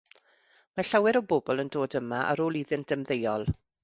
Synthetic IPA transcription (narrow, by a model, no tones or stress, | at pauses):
maɬawɛɾɔboːbɔlˠəndoːdəmaʔa̰ɾoːlˠiðɪnt̚d̥əmðejɔlˠ